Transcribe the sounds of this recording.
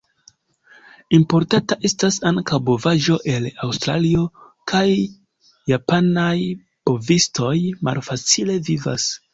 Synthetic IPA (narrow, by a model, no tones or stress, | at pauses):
impo̞ɾtataʔe̞stasaŋkawbovaʒo̞ʔe̞lawstɾalio̞ | kʰajː | apanaj | b̥o̞visto̞jma̰lfat͡sile̞viva̰s